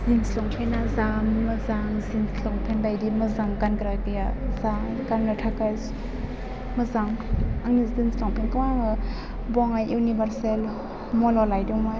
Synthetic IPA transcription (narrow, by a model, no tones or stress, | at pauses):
zinslɔŋpʰenazammɐzaŋzinslɔŋpʰenlajdimɐzaŋkankɾakijazaŋ | kanːatʰakaz | mɐzaŋaŋnidinslɔŋpʰiŋkɯwaŋɯ | bɔŋajunibaɾsel | mɔlɔlajduŋma